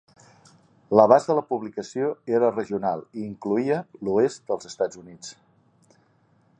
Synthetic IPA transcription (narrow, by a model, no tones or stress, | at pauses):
ləβazəələpuβlikəsioeɾərəʒiunalˠiːŋkluiəluest̪̚d̪əlˠzəst̪ad͡zunit͡s